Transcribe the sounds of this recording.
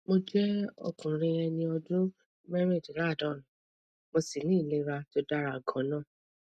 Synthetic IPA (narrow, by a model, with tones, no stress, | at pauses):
mo˧d͡ʒɛ˦ɔ̰˧kũ˨ɾĩ˧ɛ˧nĩ˧ɔ˧dũ˦ | mɛ˦ɾe˦˨d͡ʒi˨ɾa˦˨dɔ̃˨˦˨ñ˨ | mo˧si˨nĩ˦i˦˨le˨˦ɾa˧to˧da˦ɾa˧˨ɡɔ̃˨˦nã˦˨